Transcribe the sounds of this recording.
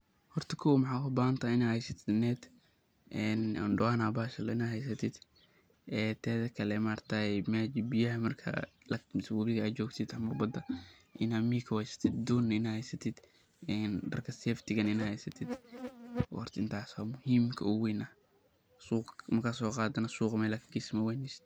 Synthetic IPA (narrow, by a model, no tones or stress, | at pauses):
hɔrt̪ʰɐkʰɔwmɑħɑːwɐbaːhɐnt̪ʰaːɪnaːhɛjsɐt̪ʰɪd̪nɛːd̪ | ʔɛːnɔ̰nɖʊwaːnaːbaːʃɐlɪnaːɦɛjs̬ɐt̪ʰɪd̪ | ɛːt̪ʰɛːðɐkʰɐlɛmaːrt̪ʰaɛmaːd͡ʒɪbɪjɐɦɐmɐrkʰɐ̰ | lɐmɪsbuːɾɪðɐaːt͡ʃɔːɡt̪ʰɪd̪ɐmɐbɐd̪ɐ | ʔɪnamiːkʰɐwɛjsɐ̥t̪ʰɪd̪̚d̪uːnɪnaːhɛjsɐt̪ʰɪd̪̥ | ɛndɐ̰rkʰɐsɛːft̪ʰɪɣɐnɪnahɛjsɐt̪ʰɪd̪̰ | rt̪ʰɪnt̪ʰaːswaːmʊhiːmkʰɐʊwiːnɐh | suːqmɐrkʰasɔːqɑːd̪ɐnɐsuːqmɛjlɐkʰɡismɐwɛnɪs